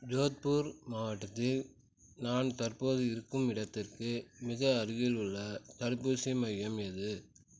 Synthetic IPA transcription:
d͡ʒoːt̪̚puːɾmaːʋɐʈːɐt̪ːɪl | naːnt̪ɐɾpoːðɯɪɾɯkːɯmɪɽɐt̪ːɪrkɯmɪɣɐːɾɯɣɪlɯɭːɐt̪ɐɽɯpːuːsɪmɐjɐmɛðɯ

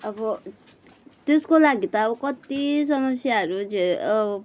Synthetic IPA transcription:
ʌbʌ | t̪eskolaɡit̪ʌʌbʌkʌt̪is̬ʌmʌsjaɦʌɾud͡zeʌ

